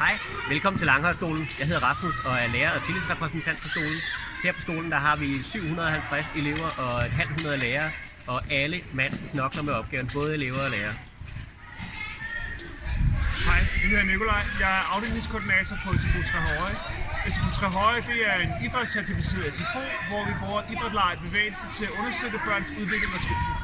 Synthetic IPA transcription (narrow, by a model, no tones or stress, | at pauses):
hɑ̈ɪ̰ | ʋelkʰɒ̽mn̩t͡sʰe̝lŋɦɒ̽lsɡ̥o̝̰ːln̩jɑ̈ɦe̝ðˠɐʁɑ̈fm̩ɒ̽æɐleːɐɒ̽t͡sʰilisʁɛpʰʁɛsn̩t͡sʰæn̰d̥̚pʰɒ̽sɡ̥o̝̰ːln̩ | heɐ̰pʰɒ̽sɡ̥o̝̰ːln̩d̥ɑ̈ɦɑ̈ʋisyʊ̰ɦunɐðˠɒɦælt͡sʰʁase̝le̝ʊ̰ɐʔɒ̽e̝d̥ɦæl̰ɦunɐð̞ˠleːɐː | ɒ̽ʔæləmæn̰ssʰnɒ̽ɡ̥lɐmeɒ̽b̥ɡ̥ɛːʊn̩b̥ɔ̽ːð̞̩ˠe̝le̝ʊɐɒleːɐ | hɑ̈ɪ̰d̥ehe̝ðˠɐniko̝lɑ̈ɪ̰jɑ̈ɪæɐʔɑ̈ʊɾ̥i̥iskʰːɒːd̥inɛːt͡sʰɐpʰɒesefʰot͡sʰʁɛɦɒɪesefʰot͡sʰʁɛɦɒɪd̥e̝æɐe̝nid̥ʁɐ̥sʰæɐt͡sʰeb̥isiðˠesefʰo̝̰ːʋɒʋib̥ʁuːɐʔid̥ʁɐd̥lɑ̈ɪ̰b̥e̝ʋḛːɪl̩sət͡sʰe̝læʔɔ̽nɐsd̥ød̥əb̥ɶɐnsuðˠʋe̝ɡ̥leŋɐt͡sʰʁo̝̰ː